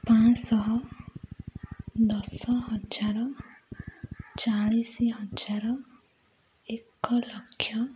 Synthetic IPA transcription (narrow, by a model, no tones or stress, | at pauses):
pãt͡ʃsɔɦɔ | d̪ɔsɔɦɔd͡ʒaɾɔ | t͡ʃaɭisiɦɔd͡ʒaɾɔ | ekɔlɔkʰːjɔ